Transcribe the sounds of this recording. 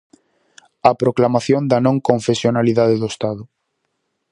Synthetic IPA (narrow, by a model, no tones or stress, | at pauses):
apɾoklamaθjond̪anõŋkõɱfesjonaliðaðeðoest̪aðʊ